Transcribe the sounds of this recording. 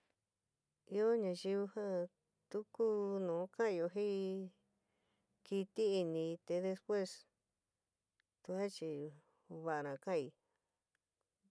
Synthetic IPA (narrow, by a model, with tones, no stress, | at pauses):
i˧o˦ɲã˧ʒi˧βu˧hã˦ | t̪u˦ku˦nũ˨˦kã˦i˧o˧ɦĩ˦ | ki˧t̪i˦i˧nĩ˧t̪e˧ðe˧spwe˦s | t̪u˧a˦t͡ʃi˧ | βa˧ʔa˧nã˨˧kã˦˧˨i˧